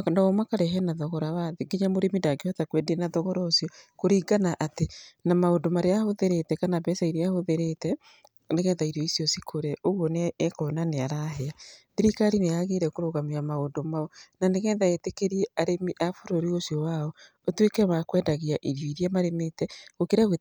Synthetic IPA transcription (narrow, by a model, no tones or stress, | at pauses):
naomakaɾɛɦɛnaðɔɣɔɾawaðeɡiɲamoɾemindaɡehɔtakwɛdenaðɔɣɔɾaosijɔkoɾiːɡanaʔatenamaondomaɾeahoðeɾetɛkanaβɛsaiɾeahoðeɾetɛ | neɣɛːnðaiɾjɔisjɔsikʰoɾɛʔoɣwɔneːkɔnaneaɾaɦɛaðiɾikaɾineaɣeɾɛkoɾoɣamiamaondomaɔnaneɣɛːnðaetekeɾiɛaɾemiʔafoɾoɾiosjɔwaɔ | otwekɛmakwɛːndaɣiaʔiɾjɔiɾjɛmaɾemetɛɣokeɾawe